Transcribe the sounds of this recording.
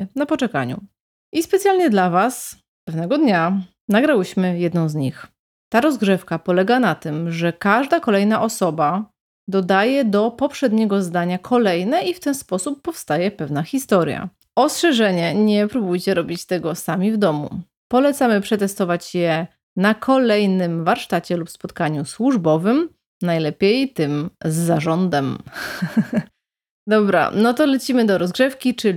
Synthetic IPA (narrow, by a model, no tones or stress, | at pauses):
napɔt͡ʂɛka̰ɲṵ | ʔispɛt̪sʲjalɲɛd̪lavas | pɛvnɛɡɔd̪ɲa | naɡɾawɘɕmɘjɛd̪nɔ̃w̃zɲix | t̪aɾɔzɡʐɘfkapɔlɛɡanat̪ɘmʐɛkaʐd̪akɔlɛjnaʔɔsɔba | d̪ɔd̪ajɛd̪ɔpɔpʂɛd̪ɲɛɡɔzd̪aɲakʰɔlɛjnɛift̪ɛnspɔsupːɔfst̪ajɛpɛvn̪axʲist̪ɔɾja̰ | ɔstʂɛʐɛɲɛɲɛpɾubujt͡ɕɛɾɔbʲit͡ɕt̪ɛɡɔsamʲivd̪ɔmṵ | pɔlɛt̪samɘpʂɛt̪ɛst̪ɔvat͡ɕjɛ | nakʰɔlɛjnɘmvaɾʂt̪at͡ɕɛlupspɔt̪kaɲuswuʐbɔvɘm | najlɛpʲjejt̪ɘmzːaʐɔnd̪ɛm | d̪ɔbɾa̰nɔt̪ɔlɛt͡ɕimɘd̪ɔɾɔzɡʐɛfkʲit͡ʂɘ